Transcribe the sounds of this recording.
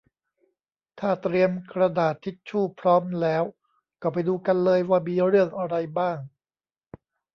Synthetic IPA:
t̪ʰaː˥˩t̪ɾi˧əmkɾa˧daː˨˩t̪ʰːi˦˥t̪̚t͡ɕʰuː˥˩pʰɾɔː˦˥mlɛː˦˥w | kɔː˥˩p̬a˧jduː˧ka˧nlɤː˧jwaː˥˩miː˧ɾɯ˥˩əŋʔa˧ɾa˧jbaː˥˩ŋ

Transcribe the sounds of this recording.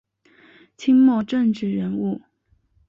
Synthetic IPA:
t͡ɕʰi˥ŋmɔ˥˧ʈ͡ʂə˥˧ŋʈ͡ʂɻ̩˥˩ɻə˧˥nu˥˩

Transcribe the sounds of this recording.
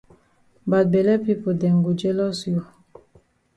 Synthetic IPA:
ba˨t̚bɛ˨lɛ˦pi˦po˨dɛ˨ŋ˨ɡu˨d͡ʒɛ˦lɔ˦sju˨

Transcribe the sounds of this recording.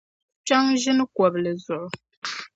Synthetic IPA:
t͡ʃa˦ŋʒɪ˦n˦kɔ˨blɨ˨zʊ˨ʔʊ˨

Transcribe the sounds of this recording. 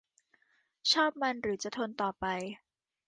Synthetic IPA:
t͡ɕʰɔː˥˩p̚ma˧nɾɯː˩˦t͡ɕa˨˩t̪ʰo˧nt̪ɔː˨˩pa˧j

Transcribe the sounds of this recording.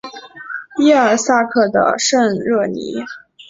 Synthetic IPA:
i˥ə˞˨˩sa˥˧kʰɤ˥˩d̪ə̰˩ʂə˥˧nɻɤ˥˩nḭ˧˥

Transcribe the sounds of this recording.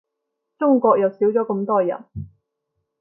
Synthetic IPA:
t͡ʃʊ˥ŋkʷɔː˧k̚jɐ˨wsiː˨˥wt͡ʃɔː˨˥kɐ˧mt̪ɔː˥jɐ̰˨˩n

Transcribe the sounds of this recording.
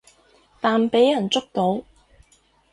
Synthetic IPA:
t̪aː˨npe˨˥jːɐ˨˩nt͡sʊ˥k̚t̪o˨˥w

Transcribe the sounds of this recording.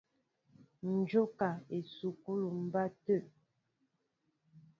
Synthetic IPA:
n̩˨d͡ʒo˦ka˨e˨su˨ku˦lu˨m̩˨ba˦tə˦˨

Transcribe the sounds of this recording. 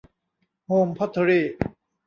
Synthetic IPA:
hoː˧mpʰɔ˥t̪ʰːə˧ɾiː˥˩

